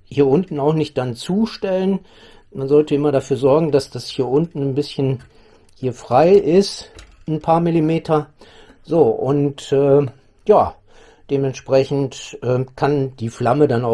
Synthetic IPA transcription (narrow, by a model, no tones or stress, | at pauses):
hhiːɐʔʊntn̩aʊxnɪçt̚d̥ant͡suːʃtɛlən | manzɔltəɪmɐɾafyːɐzɔɐɡŋ̩d̥asd̥ashiːɐʔʊntn̩nbɪsçən | hiːɐfʁ̥aɪʔɪst | npʰaːɐmɪlimeːtʰɐ | zoːʔʊntɛː | jaː | d̥eːmɛntʃpʁ̥ɛçn̩tʔɛːkʰand̥iːflamədanaʊ